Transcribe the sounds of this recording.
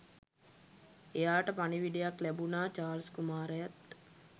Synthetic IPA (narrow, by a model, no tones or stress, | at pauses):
ejaːʈəpaniʋiɖijaklæbunaːt͡ʃaːɾskumaːɾejat̪̚